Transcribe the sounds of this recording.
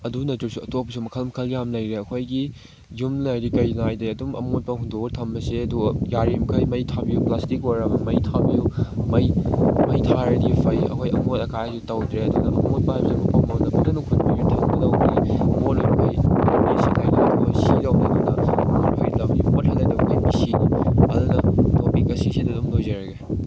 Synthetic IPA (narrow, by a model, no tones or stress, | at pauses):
ɐdunɐtuɾsuɐtopːsumɐkʰɐlmɐkʰɐljamlɐjɾeɐkʰojɡi | jumlɐjɾikɐjnajdeɐdumʔɐ̰mot̚pɐɦundoɡtʰɐmbɐsiɐdujaɾimkʰɐjmɐjtʰabijuplastikoɾɐbɐmɐjtʰabijumɐjmɐjtʰaɾɐdipʰɐjɐ̰kʰojɐ̰motɐkʰajitɐwdɾeɐdunɐɐmot̚paajbɐsemupʰɐmɐwdɐpunɐnukʰut̚miɡitʰɐmɡɐnɐwbɡiɐmotojmɐkʰɐjmisikʰajdɐkojsilɐwnɐdɐnɐmothojtɐbimot̚hɐlːɐjdɐbɐkʰɐjmisiniɐdunɐtopikɐsisidɐdumlojzɐɾɐɡe